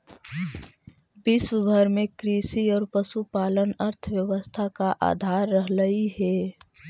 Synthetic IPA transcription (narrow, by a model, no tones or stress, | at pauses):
bɪswəbʱəɾmẽkɾisiɔːɾpəsupaːlənəɾt̪ʰəwjəʋəst̪ʰakaʔa̰ːd̪ʱaːɾːəɦləiɦɛ